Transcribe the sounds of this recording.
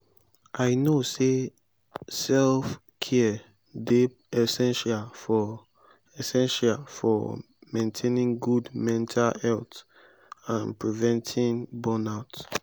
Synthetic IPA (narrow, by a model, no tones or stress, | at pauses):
ʔaɪnose | sɛlf | kʰɛə | de | ɛsɛ̃nʃalfɔ | ɛsɛ̃nʃalfɔ̰ | mẽntʰenĩŋɡudmɛ̃ntʰalɛlt | ãnpɹivɛ̃ntʰĩŋbɔnaʊt